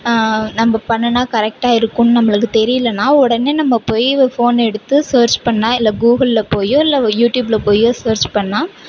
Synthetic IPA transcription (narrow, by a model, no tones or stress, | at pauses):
nɐmːɐpɐɳːɐnaːkɐɾɛk̚ʈaːɪɾɯkːʊnːɯnɐmːɐɭɯkːɯt̪ɛɾɪjɪlɐnːaːɔɽɐneːnɐmːɐpoːjfoːnɛɽɯt̪ːɯsɐːɾt͡ʃpɐɳːãːɪlːɐɡuːɣɐllɐpoːjõːɪlːɐjuːʈjuːblɐpoːjõːsɐːɾt͡ʃpɐɳːãː